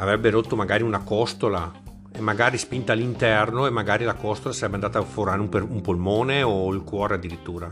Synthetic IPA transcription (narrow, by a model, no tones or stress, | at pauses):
avɾɛbːeɾot̪ːomaɡaːɾiunakɔst̪ola | emːaɡaːɾispint̪alːint̪ɛrnoemːaɡaːɾilakɔst̪olasaɾɛbːeand̪aːt̪aforɾaːɾeupeumpolmoːneoilkwɔːɾead̪ːiɾit̪ːuːɾa